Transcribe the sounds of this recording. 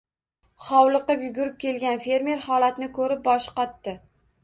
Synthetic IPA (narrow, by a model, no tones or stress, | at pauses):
χɒwlˠɨqɨpjʊɡʊɾɪp̚kʲe̞lɡʲanfe̞ɾme̞ɾhɒlat̪nɪkʰɵɾɪp̚bɒʃqɒt̪ːɪ